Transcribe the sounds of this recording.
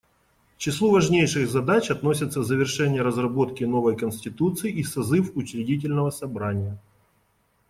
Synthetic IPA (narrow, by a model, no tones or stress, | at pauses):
t͡ɕɪslˠuvɐʐnʲejʂɨɣzɐd̪at͡ɕɐt̪no̞sʲɪt̪səzəvʲɪrʂɛnʲɪjəɾəzrɐbo̞t̪kʲɪno̞vəjkənsʲtʲɪt̪ut̪sɨjisɐzɨfʊt͡ɕɾʲɪdʲit̬ʲɪlʲnəvəsɐbɾanʲɪjə